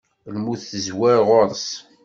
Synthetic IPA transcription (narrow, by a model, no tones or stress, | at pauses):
lmuθθəzwæɾʁʊɾˤs